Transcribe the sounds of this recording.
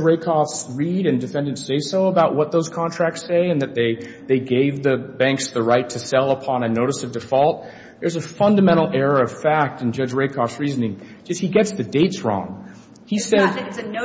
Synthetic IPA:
ɹeɪkʰɑfsɹiɾɨ̃ndɨfɛ̃ndɨ̃ntseɪsoʊəbaʊʔ̚wʌt̪̚ðoʊz̥kʰɑ̃ntʰɹ̥æk̚tseɪɨ̃nðɨt̪̚ðeɪ | ðeɪɡeɪvðɨbæ̃ŋksðɨɹaɪtʰɨsɛlˠəpʰɑ̃nɨnoʊɾɨsʌvdɨfɔlˠt̪̚ | ðə˞zɨfʌ̃ndɨmɛ̃ɾ̃l̩ˠɛɹə˞ʌv̥fæk̚tn̩d͡ʒʌd͡ʒɹeɪkʰɑfsɹiznɪ̃ŋ̥ | d͡ʒʌst̚hiɡɛtsðɨdeɪtsɹɔ̰̃ŋ | isɛd

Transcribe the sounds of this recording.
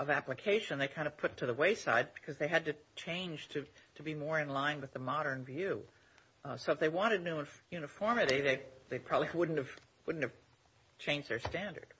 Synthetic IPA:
ʔʌvæplɨkʰeɪʃɨ̃nðeɪkʰãɪ̃ndʌv̥pʰʊtʰɨðəweɪsa̰ɪd̚bɨ̥kʰʌzðeɪɨd̚tɨt͡ʃʰẽɪ̃nd͡ʒ̥tʰɨtʰɨbimɔɹɨ̃nlãɪ̃nwɨðəmɑɾə̃˞nvjʉ | soʊəfðeɪwɑ̃ɾ̃ɨdⁿnʉjʉnɨfɔɹmɨɾiðeɪðeɪpʰɹ̥ɑbəbliwʊdⁿn̩tɨv̥ | wʊdⁿn̩tɨv̥ | t͡ʃʰẽɪ̃nd͡ʒðə˞stæ̃ndə̰˞d̥

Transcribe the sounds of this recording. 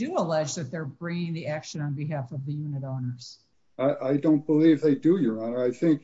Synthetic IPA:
d̥ɨəlɛd͡ʒðɨt̪̚ðə˞bɹɪ̃ŋɪ̃ŋðiækʃɨ̃nə̃nbɨɦæfʌvðɨjʉnɨɾõʊ̃nə˞z̥ | aɪʔaɪdõʊ̃n̚b̥əlivðeɪdɨjə˞õnə˞aɪθɪ̃ŋk

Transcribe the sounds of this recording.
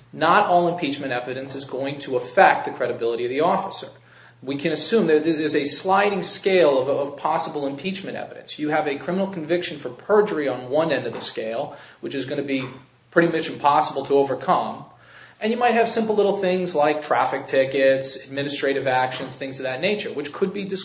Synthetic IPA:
nəɾɔlˠə̃mpʰit͡ʃmɨ̃ɾ̃ɛvɨɾɨ̃nsɨzɡoʊɪ̃ŋtʰəəfɛk̚t̪̚ðɨkʰɹ̥ɛɾɨbɪlˠəɾiʌvðiɔfəsə̰˞ | wikʰɨ̃ñɨsʉ̃mðə˞ððə˞zɨslaɪɾɪ̃ŋskeɪlˠʌvʌv̥pʰɑsəbl̩ˠə̃mpʰit͡ʃmɨ̃ɾtɛ̰vɨɾɨ̰̃nsjɨəvɨkʰɹ̥ɪ̃mənl̩ˠkʰɱvɪkʃɨ̃n̩fə˞pʰɜ˞d͡ʒə˞iə̃nwʌ̃nɛ̃ndʌvðɨskeɪlˠwɨt͡ʃɨzɡʌnɨbi | pʰɹ̥ɪɾimʌt͡ʃɨ̃m̩pʰɑsəbl̩ˠtʰəoʊvə˞kʰʌ̃m | ʔɨ̃njɨmaɪt̚hɨv̥sɪ̃mpl̩ˠlɪɾl̩ˠθɪ̃ŋzlaɪk̚tʰɹ̥æfɨk̚tʰɪkɨtsɨd̚mɪ̃nɨstɹ̥eɪɾɨvækʃɨ̃nz̥θɪ̃ŋz̥ʰʌðɨtⁿneɪt͡ʃə̰˞wɨt͡ʃkʰɨd̚bidɨs

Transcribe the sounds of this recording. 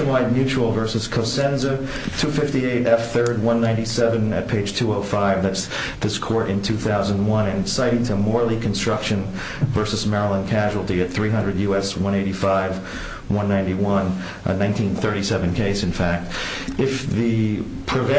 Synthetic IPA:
ɨmaɪd̚mjʉt͡ʃul̩ˠvɜ˞sɨz̥kʰoʊsɛ̃nzɨ | tʰʉfɪftieɪɾʔɛfθɜ˞d̚wʌ̃nːãɪ̃ntisɛvɨ̃nɨ̰t̚pʰeɪd̥ʒ̥tʰuoʊfaɪvðæts | ðɪskʰɔɹɾɨ̃ntʰʉθaʊzə̃ndwʌ̃nɨ̃nsaɪɾɪ̃ŋtʰɨmɔɹlˠikʰn̩stɹ̥ʌkʃɨ̃n | vɜ˞səzmɛɹəl̩ˠə̃nkʰæʒul̩ˠtiɨt̪̚θɹiɦʌ̃ndɹɨdjʉɛswʌ̃ñeɪɾifaɪv | wʌ̃nːãɪ̃ntiwʌ̃n̰ | nãɪ̃ntʰĩnθɜ˞ɾisɛvɨ̃n̩kʰeɪsɨ̃nfæk̚t | ɨfðɨ | pʰɹ̥ɨvɛ̃

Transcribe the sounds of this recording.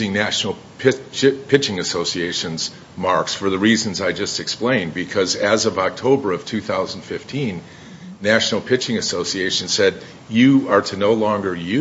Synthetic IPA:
ɪ̃ŋnæʃnl̩ˠ | pʰɪt͡ʃpʰɪt͡ʃɪ̃ŋɨsoʊsieɪʃɨ̃nz̥ | mɑɹksfə˞ðɨɹizɨ̃n̩zaɪd͡ʒʌstɨksplẽɪ̃nbɨkʰʌzɨzʌvɑk̚tʰoʊbə˞ʌv̥tʰʉθaʊzn̩d̥fɪftʰĩnː | æʃnl̩ˠpʰɪt͡ʃɪ̃ŋɨsoʊsieɪʃɨ̃n̩sɛd̚ | jɨə˞ɾʰɨnoʊlɔ̃ŋɡə˞jʉ

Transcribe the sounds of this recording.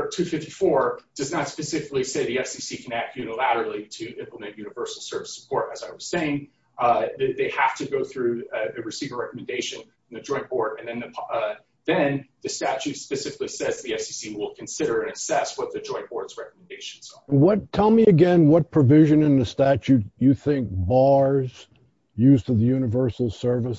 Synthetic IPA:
tʰʉfɪftifɔɹd̥ʌznətspɨsɪfɨkliseɪðiɛfsisikʰɨ̃næk̚tjʉnəlæɾə˞l̩ˠiɾɨʔɪ̃mpləmɨ̃nʔjʉnɨvɜ˞sl̩ˠsɜ˞vɨsə̥pʰɔɹɾɨzaɪwʌz̥seɪɪ̃ŋ | ðɨðeɪhæftʰɨɡoʊθɹʉɨɹɨsivə˞ɹɛkəmɨ̃ndeɪʃɨ̃n | n̩ðɨd͡ʒɔ̃ɪ̃nb̥ɔɹɾɨ̃nðɨ̃nðɨpʰ | ðɨ̃nðɨstæt͡ʃʉtspɨsɪfɪklisɛzðiɛfsisiwɪlˠkʰɨ̃n̩sɪɾə˞ɨ̃nɨsɛswʌt̪̚ðɨd͡ʒɔ̃ɪ̃nb̥ɔɹtsɹɛkəm̃n̩deɪʃɨ̃n̩z̥ə˞wʌtʰɛlˠmiɨɡɛ̃nwʌt̚pʰɹ̥ɨvɪʒɨ̃nɨ̃nðɨstæt͡ʃʉtjɨθɪ̃ŋk̚bɑɹz̥ | jʉztʰɨðɨjʉnɨvɜ˞sl̩ˠsɜ˞vəs

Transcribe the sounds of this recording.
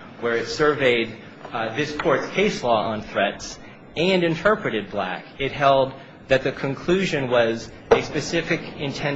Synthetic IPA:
wə˞ɨtsə˞veɪd̪̚ | ðɪskʰɔɹtskʰeɪslɔə̃nθɹɛts | ɨ̃nɨ̃ntʰɜ˞pɹɨɾɨd̚blæ̰kɪt̚ɦɛlˠd̪̚ | ðɨt̪̚ðɨkʰɨ̃nkʰl̥ʉʒɨ̃nwʌz | ɨspɨsɪfɨkɨ̃ntʰɛ̃

